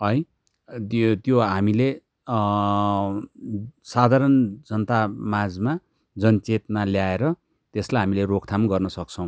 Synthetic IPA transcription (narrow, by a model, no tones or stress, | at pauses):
ʌj | t̪joɦamile | sad̪ʱaɾʌnd͡zʌnt̪amad͡zma | d͡zʌnt͡set̪naljaeɾʌ | t̪eslajɦamilerokʰt̪ʰamɡʌrnʌsʌk̚t͡sʰʌ̃w̃